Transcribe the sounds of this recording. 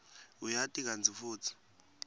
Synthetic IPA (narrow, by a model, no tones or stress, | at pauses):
ujatʼik̬and͡zʱifuːt͡sʰi̥